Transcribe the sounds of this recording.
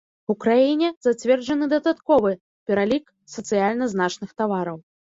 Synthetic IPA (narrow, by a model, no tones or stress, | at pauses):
ukɾajinʲɛzat͡sʲvʲɛrd͡ʐɐnɨd̪ɐd̪at̪kɔvɨ | pʲɛɾalʲik | sɐt̪sɨjalʲnɐznat͡ʂnɨxt̪avaɾɐw